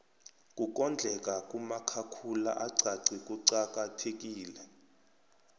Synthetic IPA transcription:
kʼuk̬ʼɔnd͡ɮʱɛk̬ʼakʼumakʰakʰula̰ʔaǀʱaǀikʼuǀak̬ʼatʰek̬ʼiːlɛ

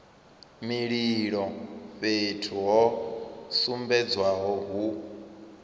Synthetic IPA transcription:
miɺiɺɔɸetʰuɦɔsumbɛd͡zwaɦɔɦu

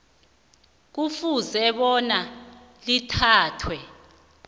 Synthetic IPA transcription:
k̬ufuzɛɓɔna | litʰaːtʰwɛ

